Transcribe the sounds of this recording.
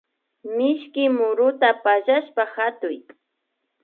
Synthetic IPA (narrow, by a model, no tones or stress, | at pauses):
mɪʃkɪmʊɾʊt̪apaʒaʃpahat̪ʊj